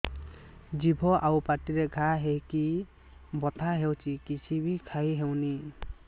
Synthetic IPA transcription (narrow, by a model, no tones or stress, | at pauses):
d͡ʒibʱɔʔawpaʈiɾeɡʱaɦeɦiki | bɔt̪ʰaɦewt͡ʃikit͡ʃʰibʱikʰajɦewni